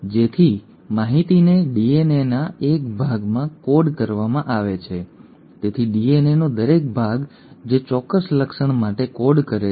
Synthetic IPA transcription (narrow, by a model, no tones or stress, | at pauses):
d͡ʒet̪ʰi | maɦit̪ineɖienenaekbʱaɡmãkoɖkəɾʋamãʔaʋet͡ʃʰe | t̪et̪ʰiɖienenod̪əɾek̚bʱaɡ | d͡ʒet͡ʃɔkəsləkʃəɳmaʈekoɖkəɾe